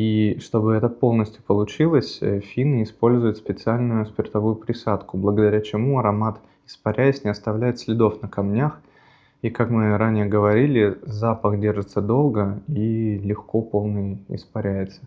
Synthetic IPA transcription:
iʂt̪o̞bɨɛt̪əpo̞lˠnəsʲtʲjʊpəlˠʊt͡ɕilˠəsʲfʲinɪspo̞lʲzʊjʊt̪spʲɪt̪sɨalʲnʊjʊspʲɪrt̪ɐvujʊpɾʲɪsat̪kʊblˠəɡəd̪ɐɾʲæt͡ɕɪmuɐɾɐmat̪ | ɪ̥spɐɾʲæjɪsʲnʲɪɐst̪ɐvlʲæjɪt̪sʲlʲɪd̪o̞fnəkɐmnʲax | ikakmɨɾanʲɪjəɡəvɐɾʲilʲɪzapəxdʲe̞rʐɨt̪səd̪o̞lˠɡəilʲɪxko̞po̞lˠnɨjɪ̰spɐɾʲæjɪt̪sə̥

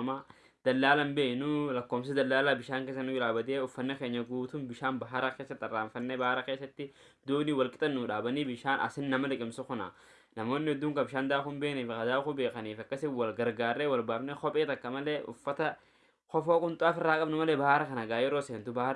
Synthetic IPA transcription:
maː | d̪̥ɐlːaːlɐmbeːnʊlɐkːoːms̬ɪd̪ɐlːaːlaːbɪʃaːŋkeːsːɐnːʊd͡ʒɪlaːbɐd̪eːʊfːɐnːɛkeːɲːɐɡuːt̪ʊnbɪʃaːnbɐɦaɾɐkeːsːɐt̪ːɪɐrːaːɱfɐnːebɐhaɾɐke̞ːsːɐt̪ːɪ | d̪uːnɪwɐlkʼɪt̪ʼɐnːʊᶑaːbɐniːbɪʃaːnʔɐ̰sɪnːɐmɐlɐkʼɪmsʊkʊna̰ | nɐmo̞ːnːɪɛd̪ːʊːŋkɐbɪʃaːnd̪aːxʊmbeːkniːfkɐd̪aːxʊbe̞ːkɐniːfɐkːɐsɪwɐlɡɐɾɡaːrːeːwɐlbaːfneːxɔpʼeːt̪ɐkːɐmɐleːʔʊ̰fːɐt̪ɐ | kɔfoːkʼʊnt̪ʼaːfɪrːaːkʼɐbnʊmɐleːbɐhaɾɐkɐnɐɡaːjɛɾoːseːnt̪ʊbɐha

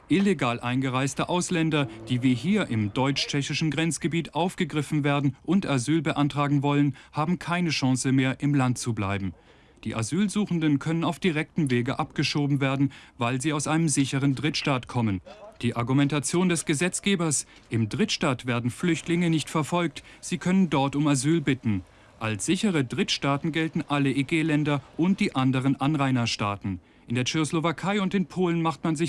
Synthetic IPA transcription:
ʔɪleɡaːlʔaɪnɡəʁaɪstəʔaʊslɛndɐd̥iːviːɦiːɐʔɪmdɔʏt͡ʃt͡ʃɛçɪʃn̩ɡʁɛnt͡sɡ̥əbiːtʔaʊfɡ̥əɡʁɪfn̩veːɐdn̩ʔʊntazyːlbəʔantʁ̥aːɡŋ̩vɔlənhaːbm̩kʰaɪnəʃãŋsəmeːɐʔɪmlant̚t͡sublaɪbm̩ | d̥iːʔa̰zyːlzuːxn̩dənkʰœnənaʊfd̥iʁɛk̚tm̩veːɡəʔapɡ̥əʃoːbm̩veːɐdn̩vaɪlziːaʊsʔaɪnəmzɪçəʁəndʁɪtʃtaːtkʰɔmənd̥iːʔaɐɡumɛntat͡sjoːndɛsɡ̥əzɛt͡sɡ̥eːbɐs | ʔɪmdʁɪtʃtaːtv̥eːɐdn̩flʏçtlɪŋənɪçtfɛɐfɔlk̚tz̥iːkʰœnəndɔɐtʊmazyːlbɪtn̩ | ʔalsz̥ɪçəʁədʁɪtʃtaːtn̩ɡɛltn̩ʔaləiɡeːlɛndɐʔʊnt̚d̥iːʔandəʁ̞ənʔanʁaɪnɐʃtaːtn̩ | ʔɪndeːɐt͡ʃeçoslovakʰaɪʊntɪnpʰoːlənmaχtmanzɪ

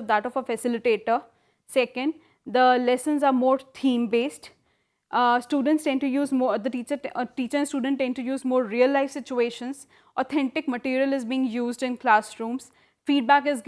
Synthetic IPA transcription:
d̪æʈɔfəfɛsɪlɪʈeːʈə | sɛkə̃ɳɖ | d̪əlɛsə̃nzaːɾmoːɾt̪ʰĩːmbeːsʈ | sʈuːɖə̃ɳʈsʈɛ̃nʈujuːzmod̪əʈiːt͡ʃəɾʈiːt͡ʃəɾɛ̃nsʈuːɖə̃ɳʈːɛ̃nɖʈujuːzmoːɾɾiəlːaɪfsɪt͡ʃueːʃə̃nz | ɔːt̪ʰɛ̃ɳʈɪkməʈiːɾiəlɪzbiːɪ̃ŋjuːzɖɪ̃nklaːsɾũːmz̥ | fiːɖ̚bæːkɪz

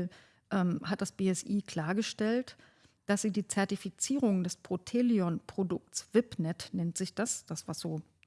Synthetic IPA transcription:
ʔɛːmhat̚d̥asb̥eːɛsʔiːkl̥aːɐɡəʃtɛlt | d̥asz̥iːdiːt͡sɛɐtifit͡siːʁ̞ʊŋdɛspʁ̥otʰeːliɔnpʁ̥odʊk̚tsv̥ɪpnɛtnɛntz̥ɪçd̥asd̥asv̥asz̥oː

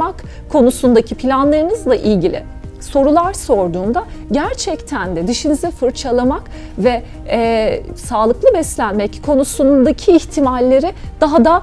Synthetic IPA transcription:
ak | kʰːo̞nusund̪acʰipʰilʲanlˠaɾɯnɯzlˠaʔilʲɟilʲɪ̰ | so̞ɾulˠaɾso̞ɾd̪uːnd̪aɟæɾt͡ʃʰɛct̪ʰænd̪ɛd̪iʃinizɛfɯɾt͡ʃʰalˠamak | vɛ | saːlˠɯklˠɯbɛslʲænmɛckʰo̞nusud̪acʰiːçt̪ʰimalʲːe̞ɾɪd̪̥aɦad̪a

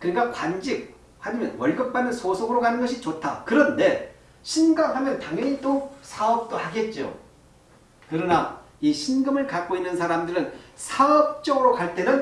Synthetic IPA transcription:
kɯɲik͈akwand͡ʑik̚ | haɲimʌ̰nwʌɭɡɯp̚p͈anːɯnsʰosʰoɡɯɾokanɯnɡʌɕʰit͡ɕotʰakɯɾʌnde̞ | ɕʰinɡaŋɦamjʌnntaŋjʌɲitosʰaʌp̚t͈ohaɡe̞t̚t͡ɕ͈o̰ | kɯɾʌna | iɕʰinɡɯmɯɭkak͈oinːɯnsʰaɾamdɯɾɯnsʰaʌp̚t͡ɕ͈ʌɡɯɾokaɭt͈e̞nɯn

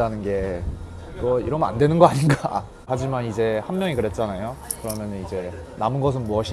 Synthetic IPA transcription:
anɯnɡe̞ | kʌḭɾʌmʌna̰ndwe̞nɯnɡʌaɲinɡa | had͡ʑimanid͡ʑe̞hanmjʌŋikɯɾe̞t̚t͡ɕ͈anajo | kɯɾʌmjʌnɯnid͡ʑe̞ | namɯnɡʌs̬ʰɯnmuʌɕʰi

